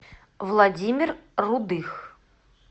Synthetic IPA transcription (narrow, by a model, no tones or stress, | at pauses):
vlˠɐdʲimʲɪrːʊd̪ɨx